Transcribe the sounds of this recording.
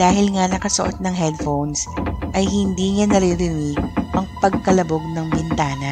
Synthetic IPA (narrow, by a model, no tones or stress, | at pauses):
d̪aːɦɪlŋanɐkɐsʊʔo̰t̪̚nɐŋɦɛd̪̚fownsʔɐjhɪnd̪iːŋanɐɾiɾɪniɐŋpɐɡ̚kɐlɐboɡ̚nɐŋbɪnt̪aːnɐ